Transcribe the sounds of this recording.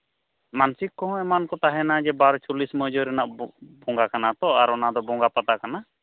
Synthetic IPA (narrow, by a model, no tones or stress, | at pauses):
mansikːɔɦɔ̃ɛmankɔt̪aɦɛnad͡ʒɛbaɾɔt͡ʃulisməd͡ʒɔɾɛnaʔbɔŋɡakanat̪ɔaɾɔnad̪ɔbɔŋɡapat̪akana